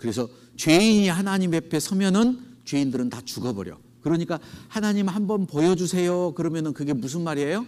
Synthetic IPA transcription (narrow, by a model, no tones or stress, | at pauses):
kɯɾe̞sʰʌ | t͡ɕɥwe̞iɲihanaɲime̞pʰe̞sʰʌmjʌnɯnt͡ɕwe̞indɯɾɯntat͡ɕuɡʌbʌɾjʌ̰ | kɯɾʌɲik͈ahanaɲimɭhambʌnpojʌd͡ʑusʰe̞jokɯɾʌmjʌnɯnkɯɡemus̬ʰɯnmaɾiejo